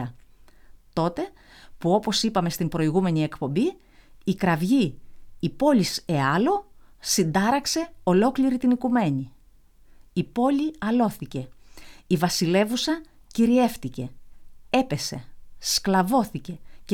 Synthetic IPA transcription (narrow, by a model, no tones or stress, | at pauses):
ɐ | t̪o̞t̪e̞ | puo̞po̞sipɐme̞st̪imbɾo̞iɣume̞ɲie̞kpo̞mbiː | kɾɐvʝiː | po̞lise̞ɐlo̞sind̪ɐɾɐkse̞o̞lo̞kliɾit̪inikume̞ɲi | ipo̞liɐlo̞θice̞ivɐsile̞vusɐ | ciɾie̞fθice̞e̞pe̞se̞̰sklɐvo̞θice̞